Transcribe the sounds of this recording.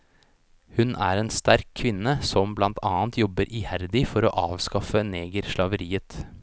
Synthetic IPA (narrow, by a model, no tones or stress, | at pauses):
hʉnʔæ̰ːɾeːnst̪æɾkʰːʋɪnːəsɔmblɑnt̪ʰɑːnt̪ʰjɔbːəɾʔɪːhæɾd̪ɪfɔɾo̰ːʔɑːʋskɑfəneːɡəɾʃlɑʋəɾiːət̪